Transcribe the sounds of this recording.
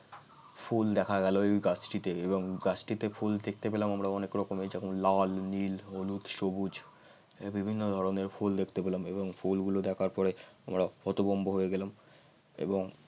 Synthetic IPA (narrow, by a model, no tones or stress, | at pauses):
fʰuld̪ɛkʰaɡɛloɡat͡ɕʈit̪eeboŋɡat͡ɕʈit̪efʰuld̪ek̚ʰt̪epelamamɾaɔnekɾɔkomed͡ʑɛkʰomlalnilolut̪ʃobud͡ʑ | bibʱinːod̪ʱɔɾoneɾfuld̪ekʰt̪epelameboŋfʰulɡulod̪ɛkʰaɾpɔɾeamɾafɔt̪obomboɦoeɡɛlam | ḛboŋ